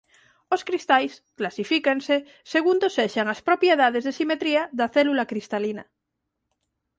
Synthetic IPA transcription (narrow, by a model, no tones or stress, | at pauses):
oskɾist̪ajsklasifikense | se̞ɣund̪oseʃaŋaspɾo̞pjeð̞að̞e̞zðesimet̪ɾiaðaθelulakɾist̪alina